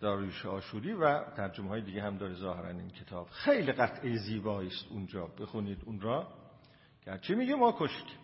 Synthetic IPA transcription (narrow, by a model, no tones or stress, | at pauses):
d̪̥ɒːɾiːʃeɒːʃuːɾiːvæt̪ʰæɾd͡ʒomeɦɒːjed̪iɡeɦæmd̪ɒːɾezɒːheɾæ̰nḭncʰe̞t̪ʰɒːb̥xejliɢæt̪ʰʔejeziːbɒːiːst̪und͡ʒɒːbexuniːd̪unɾɒː | ɡ̥ææɾt͡ʃʰimiːɡimɒːkʰoʃkʰ